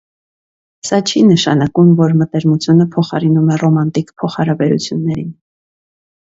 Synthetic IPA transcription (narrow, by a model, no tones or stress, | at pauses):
sɑt͡ʃʰinəʃɑ̰nɑkumvɔɾmət̪ɛɾmut͡sʰjunəpʰɔχɑɾinumɛrɔmɑnt̪ikpʰɔχɑɾɑbɛɾṵt͡sʰjunːɛɾin